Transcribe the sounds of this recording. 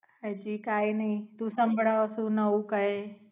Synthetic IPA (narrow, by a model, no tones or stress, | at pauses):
ɦəd͡ʒiːkaːinɐɦĩt̪ũsɐ̃mbʱəɽaəsũnɐũkɐɦe